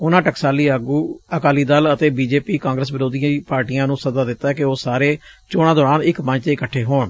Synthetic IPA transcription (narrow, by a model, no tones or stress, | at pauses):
ʊnãːʈəksaːliːəɡuːəkaːliːd̪aːlət̪eːbiːd͡ʒeːpiːkãːŋɡɾəs̬bɪɾoːd̪ijãiːpaːɾʈiːãːnũːsəzaːd̪ɪt̪ːaːɛːkɪoːsaːɾeːt͡ʃoːɽ̃ãːd̪ɔːɾaːnɪkmə̃ɲd͡ʒt̪eːɪkəʈʰːeːɦoːɳ